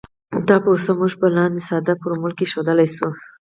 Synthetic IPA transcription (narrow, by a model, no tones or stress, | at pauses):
d̪ɑposamuʒpəlɑnd̪esɑd̪apuɾmʊlkeʃod̪əlajsu